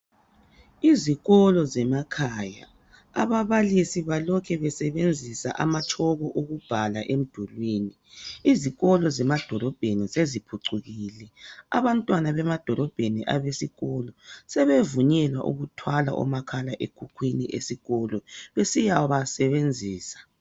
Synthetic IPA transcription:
iziɣɔlɔzɛmakʰaːja̰ | a̰βaβalisiβalɔkʰɛβɛsɛβend͡zʱisa̰ʔa̰mat͡ʃʰʼɔɣɔʔoɣub̥ʱalaʔem̩d̥ʱulwiːni | iziɣɔlɔzɛmad̥ʱɔlɔb̥ʱenisezipʰuǀuɣilɛa̰βantʼwanaβɛmad̥ʱɔlɔb̥ʱeniʔa̰βesiɣɔlɔsɛβevuɲɛlwa̰ʔṵɣutʰwala̰ʔɔ̰makʰalaʔeɡ̥ʱukʰwinḭʔḛsiɣɔlɔβesijawɔβasɛβend͡zʱiːsḁ

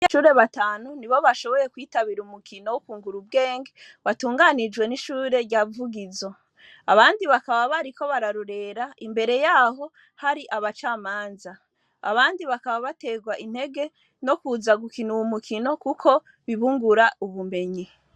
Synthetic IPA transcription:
ʃuɾe̞βataːnuniβo̞βaʃo̞βo̞ɾe̞kwiːtaβiɾumukʰino̞wukuːŋɡuɾub̚ɡe̞ːŋɡe | βatuːŋɡanid͡ʒɡwe̞niʃuːɾe̞ɾɟavuɡizo̞ | aβaːndiβakaβaβaɾiko̞βaɾaɾuɾe̞ːɾaʔimbe̞ɾe̞jaːho̞ | haɾiʔaβat͡ʃaːmaːnza | a̰βaːndiβakaβaβate̞ɡwaʔin̥he̞ɡe̞ | no̞kuːzaɡukinuwumukʰino̞kukʰo̞ | βiβuŋɡuɾauβume̞ɲi

